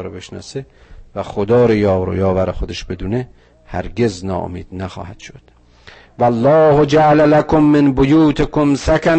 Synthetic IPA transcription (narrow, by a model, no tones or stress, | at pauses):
ɾobe̞ʃnɒ̰ːsevæxod̪ɒːɾejɒːɾo̰jɒːvæɾexod̪eʃbe̞d̪uːne | hæ̰ɾɡʲeznɒ̰ːʔo̰miːd̪̥næxɒ̰ːhæd̪̥ʃod̪̥ | vælːɒːhod͡ʒæʔalælækʰomːenbojuːt̪ʰekomsækʲʰæ